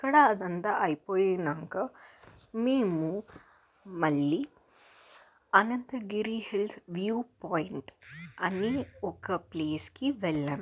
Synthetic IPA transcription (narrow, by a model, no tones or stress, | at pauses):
kːɐɽɐːd̪ɐnt̪aʔɐjipoːjeːnɐŋkɐ | meːmu | mɐɭːiː | ɐnɐnt̪ɐɡiɾihilsʋjuːpoːjiɳʈɐniɔkɐpleːskiʋɛɭːaːm